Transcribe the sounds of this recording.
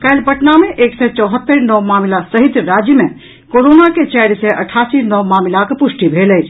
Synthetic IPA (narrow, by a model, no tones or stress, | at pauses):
kəjlpəʈnamẽʔeːksɛt͡ʃɔːɦət̪ːəɾnɔʋmaːmlasəɦɪt̪ɾaːd͡ʒjəmẽ | koɾonaket͡ʃɛːɾseʔəʈʰaːsinɔʋmaːmɪlakpʊʃʈibʱeːlət͡ʃʰ